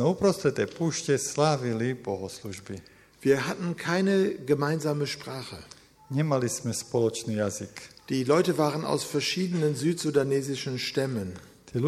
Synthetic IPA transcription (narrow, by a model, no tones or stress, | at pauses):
ɛupɾɔst̪ɾɛt̪ɛjpuːʃcɛslaːʋilibɔɦɔsluʒbi | viːɐɦatn̩kʰaɪnəɡəmaɪnzaːməʃpʁ̥aːχə | ɲɛmalismɛspɔlɔt͡ʃniːjazikd̥iːlɔʏtəvaːʁ̞əna̰ʊsfɛɐʃiːdənənzyːtz̥udanɛːzɪʃənʃtɛmən | t̪iː